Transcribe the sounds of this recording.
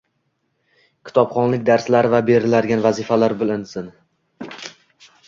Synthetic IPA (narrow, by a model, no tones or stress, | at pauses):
kʲʰɪ̥t̪ʰɒpχɒnlɪk̚ʲd̪aɾslaɾɪvabe̞ɾɪlaɾɡʲanvazɪfalaɾbɪlɪnsɪn